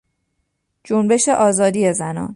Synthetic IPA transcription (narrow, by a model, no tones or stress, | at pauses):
d͡ʒombe̞ʃe̞ʔɒːzɒːd̪iːezænɒ̰ːn